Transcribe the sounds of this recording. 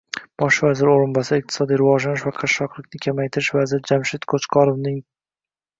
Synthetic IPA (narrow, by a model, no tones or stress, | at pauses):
b̥ɒʃvazɪɾɪoɾɪnbasɪɨq̚t̪ʰɪ̥sɒd̪ijɾɪvɒʒlanɪʃvaqʰɑʃɒqlˠɪk̚ʲnɪkʲʰamajt̪ʰɪɾɪʃvazɪɾɪd͡ʒamʃɪt̪kʰot͡ʃqʰɒɾovnɪŋ